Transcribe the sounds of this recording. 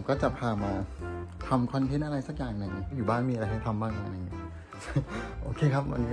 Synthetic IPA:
mkɔː˥˩t͡ɕa˨˩pʰaː˧maː˧t̪ʰa˧mkʰɔ˧nt̪ʰe˦˥nʔa˧ɾa˧jsa˨˩k̚jaː˨˩ŋnɯ˨˩ŋ˥˩juː˨˩baː˥˩nmiː˧a˧ɾa˧jɦa˥˩jt̪ʰa˧mbaː˥˩ŋʔa˧ʔa˧na˧ŋi˦˥˩ | ʔoː˧kʰeː˧kʰa˦˥p̚ma̰˧n

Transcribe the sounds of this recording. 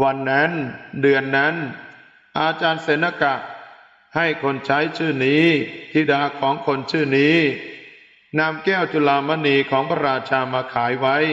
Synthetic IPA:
wa˧nːa˦˥ndɯ˧ənːa˦˥n | ʔaː˧t͡ɕaː˧nse˩˦nːa˧ka˨˩ʔ | ha˥˩jkʰo˧nt͡ɕʰa˦˥jt͡ɕʰɯː˥˩niː˦˥t̪ʰiː˧˩daː˧kʰɔː˩˦ŋkʰo˧nt͡ɕʰɯː˥˩niː˦˥ | naː˧mkɛː˥˩wt͡ɕu˧laː˧ma˧˥niː˧kʰɔː˩˦ŋpʰa˧ɾaː˧t͡ɕʰaː˧maː˧kʰaː˩˦jwa˦˥j

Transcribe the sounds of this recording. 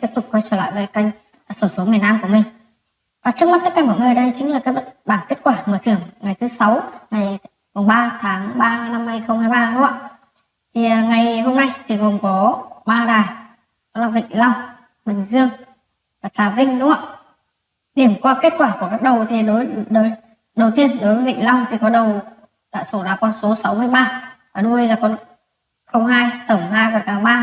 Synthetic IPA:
t̪i˦˥p̚t̪ʊ˨˩k͡p̚kɔː˧jt͡ɕəː˧˩la̰ː˧˨jve˨˩ka˧jŋ̟˨˩ | so˧˩so˨˦mi˨˩ənaː˧mku˧˩əmï˨˩ŋ̟ | vaː˨˩t͡ɕɨ˦˥ək̚ma˦˥t̪ə˦˥kːaː˨˩mɔː˧˩məː˨˧˩ɗə˧jt͡ɕï˨˦ŋ̟laː˨˩kaː˨˦jɓə˦˥t̚ɓaː˧˩nke˦˥t̚kwaː˧˩məː˧˩t̪ʰɨ˧˩əŋːa˨˩jt̪ʰsa˨˦wŋa˨˩j | mʊ˨˩ŋ͡mɓaː˧t̪ʰaː˨˦ŋɓaː˧na˧mha˧jxə˧wŋ͡mhaː˧jɓaː˧nʊ̰˧˦˥a̰˧˨ | t̪ʰi˨˩˨ŋa˨˩jho˧mna˧jt̪ʰi˨˩ɣo˨˩nkɔ˨˦ɓaː˧ɗaː˨˩j | kɔ˨˦laː˧˨˩vḭ˧˨ŋ̟la˧w | mï˨˩ŋ̟zɨ˧əŋ | vaː˨˩t̪aː˨˦vï˧ŋ̟nṵ˧˦˥a̰˧˨ | ɗi˧˩əmkwaː˧ke˦˥t̚kwaː˧˩ku˧˩əkaː˦˥k̚ɗə˨˩wt̪ʰi˨˩ɗo˨˦jɗo˨˦j | ɗə˨˩wt̪i˧ənɗo˨˦jvə˨˦vḭ˧˨ŋ̟la˧wŋ͡mt̪ʰi˨˩kɔ˨˦ɗə˨˩w | ɗa̰ː˧˥so˧˩zaː˧˩kɔ˧nso˨˦sa˨˦wmɨ˧əjɓaː˧ | aː˨˩ɗu˧ə˧zaː˨˧˩kɔ˧˩n | xə˧wŋ͡mɦaː˧jt̪ə˧˩mɦaː˧jvaː˨˩kaː˨˧˩ɓaː˧

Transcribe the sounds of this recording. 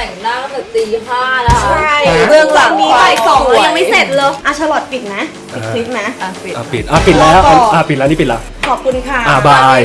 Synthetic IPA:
t̪ɛ˨˩˦ŋnaː˥˩˥a˨˩siː˧haː˥˩la˦˥˧mɯ˧əkʰwaː˧mːiː˧kaː˦˥jkɔ˨˩˦ŋɯː˧˥˩ja˧ŋma˥˩jse˨˩t̪̚lɤː˧jʔa˧˩t͡ɕ̪ʰa˧lɔː˨˩t̪̚pi˨˩t̪̚na˦˥ʔ | pi˨kʰli˦˥p̚na˦˥˧i˨ʔa˧˩pi˨˩t̪̚ʔaː˧˩pi˨˩t̪̚lɛː˦˥˧ʔa˧˩pi˨˩lɛ˦˥ni˦˥pi˨˩lɛ˦˥ | kʰɔː˨˩p̚kʰu˧nkʰa˥˩ʔa˧˩baː˧j

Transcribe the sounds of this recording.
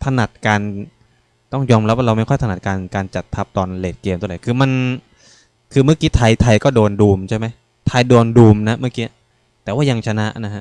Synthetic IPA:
t̪ʰa˧na˨˩t̪̚kaː˧n | t̪ɔ˥˩ŋjɔː˧mɾa˦pwa˥ɾa˧wma˥˩jkʰɔ˥˩t̪ʰa˨˩t̪̚kaː˧nkaː˧nt͡ɕa˨˩t̪ʰːa˦˥p̚t̪ɔː˧nleː˨˩t̪̚keː˧mt̪u˧˨da˧˩kʰɯː˧ma˧n | kʰɯː˧mɯ˥˩ɐkiː˦˥t̪ʰa˧jt̪ʰa˧jkɔː˥˩doː˧nduː˧mt͡ɕʰa˥˩jma˦˥j | t̪ʰa˧jdoː˧nduː˧mna˦˥ʔmɯ˥˩˨kiː˦˥ | t̪ɛː˨˩waː˥˩ja˧ŋt͡ɕʰa˧na˦˥ʔna˦˥ɦʰa˦˥ʔ

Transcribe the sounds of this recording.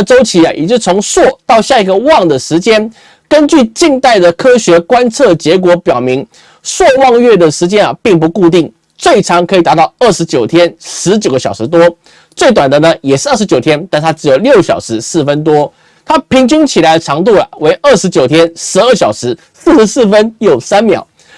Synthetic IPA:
ʈ͡ʂo˥ʊt͡ɕʰi˧˥a̰˨jʔɛ̰˨˩t͡ɕjo˥˩t͡sʰo˧˥ŋswɔ˥˧t̪ɑ˥˧ʊɕja˥˩i˧˥ɡə˧wɑ˥˩ŋd̪ə˩ʂɻ̩˧˥t͡ɕjɛ˥n | kə˥nt͡ɕy˥˧t͡ɕi˥˧ŋt̪a˥˩ɪd̪ə˩kʰɤ˥ɕɥɛ˧˥kwa˥nt͡sʰɤ˥˩t͡ɕjɛ˧˥k̬wɔ˧˥pjɑ˨˩ʊmi˧˥ŋ | swɔ˥˧wɑ˥˧ŋɥɛ˥˩d̪ə˩ʂɻ̩˧˥t͡ɕjɛ˥nɐ˨˩pi˥˩ŋp̬u˧˥ku˥˧t̪i˥˩ŋ | t͡swe˥˩ɪʈ͡ʂʰɑ˧˥ŋkʰɤ˧˥i˨˩t̪a˧˥t̪ɑ˥˧ʊə˥˩ʂɻ̩˧˥t͡ɕjo˨˩ʊt̪ʰjɛ˥nʂɻ̩˧˥t͡ɕjo˨˩ʊɡə˧˩ɕjɑ˨˩ʊʂɻ̩˧˥t̪̬wɔ˥ | t͡swe˥˩ɪt̪wa˨˩nd̪ə˩nə˩jɛ˨˩ʂɻ̩˥˧ə˥˩ʂ̩˧t͡ɕjo˨˩ʊt̪ʰjɛ˥nt̪nt̪ʰa˥ʈ͡ʂɻ̩˧˥jo˨˩ʊljo˥˩ʊɕjɑ̰˨˩ʊʂɻ̩˧˥sɹ̩˥˩fə˦nt̪̬wɔ˥ | t̪ʰa˥pʰi˧˥ŋt͡ɕy˥ŋt͡ɕʰi˨˩la˧˥ɪə˧ʈ͡ʂʰɑ˧˥ŋt̪̬u˥˩lə̰˩we˧˥ɪʔə˥˩ʂɻ̩˧˥t͡ɕjo˨ʊt̪ʰjɛ˥nʂɻ̩˧˥ə˥˩ɕjɑ˨˩ʊʂɻ̩˧˥ | s̩˥˩ʂɻ̩˧˥sɹ̩˥˩fə˥njo˨˩ʊsa˥nmjɑ˨˩˦ʊ

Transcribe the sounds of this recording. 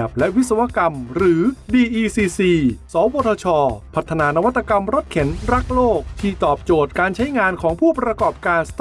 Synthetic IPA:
p̚lɛ˦˥ʔwi˦˥t̪̚sa˧wa˦˥ka˧mɾɯː˩˦diː˧ʔiː˧siː˧siː˧sɔː˩˦woː˧t̪ʰɔː˧t͡ɕʰɔː˧pʰa˦˥t̪ʰːa˧naː˧na˦˥wa˦˥t̪ʰːa˧ka˧mɾo˦˥t̪̚kʰe˩˦nɾa˦˥k̚loː˥˩k̚t̪ʰiː˥˩t̪ɔː˨˩p̚t͡ɕoː˨˩t̪̚kaː˧nt͡ɕʰa˦˥jŋaː˧nkʰɔː˩˦ŋpʰuː˥˩pɾa˧kɔː˨˩p̚kaː˧nsḁt̪

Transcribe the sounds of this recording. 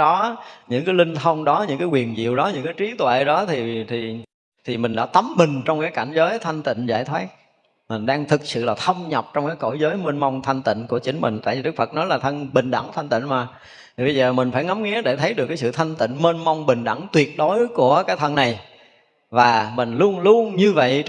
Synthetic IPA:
ɗɔ˨˦ɲɨ̰˧˥ŋkaː˨˦jlï˧ŋ̟t̪ʰə˧wŋ͡mɗɔ˨˦ɲɨ̰˧˥ŋkaː˨˦jkwi˨˩ənzḭ˧˨əwɗɔ˨˦ɲɨ̰˧˥ŋkaː˨˦jt͡ɕi˨˦t̪wḛ˧˨ɗɔ˨˦t̪ʰi˨˩t̪ʰi˨˩ | t̪ʰi˨˩mï˨˩ŋ̟ɗa̰ː˧˥t̪ə˨˦mːï˨˩ŋ̟t͡ɕɔ˧wŋ͡mkaː˨˦jka˧˩nzəː˨˦jt̪ʰa˧jŋ̟t̪ḭ˧˨ŋ̟zaː˧˩jt̪ʰwaː˦˥t̚ | mï˨˩ŋ̟ɗaː˧ŋt̪ʰɨ˨˩k̚sɨ̰˧˨laː˨˩t̪ʰə˧wŋ͡mɲə˨˩wp̚t͡ɕɔ˧wŋ͡mkaː˨˦jko˧˩jzəː˨˦jmeː˧nma˧wŋ͡mt̪ʰa˧jŋ̟t̪ï˧˨ŋ̟ku˧˩ət͡ɕï˨˦ŋ̟mï˨˩ŋ̟t̪a̰ː˧˨jvi˨ɗɨ˦˥k̚fə˨˩t̚nɔ˨˦jlaː˨˩t̪ʰə˧nɓï˨˩ŋ̟ɗa̰˧˩ŋt̪ʰa˧jŋ̟t̪ḭ˧˨nmaː˨˩ | t̪ʰi˨˩ɓə˧jzəː˨˩mï˨˩ŋ̟faː˧˩jŋa˨˦mŋɛ˨˦ɗe˧˩t̪ʰə˨˦jɗɨ˨˩kːaː˨˦sɨ̰˧˨t̪ʰa˧jŋ̟t̪ḭ˧˨ŋme˧nma˧wŋ͡mɓï˨˩ŋ̟ɗə˧˩ŋt̪wi˨˩ət̚ɗo˨˦jku˧˩əkaː˨˦˥t̪ʰə˧nːa˨˩j | vaː˨˩mï˨˩ŋ̟lu˧ənlu˧ənɲɨ˧və̰˧˨j

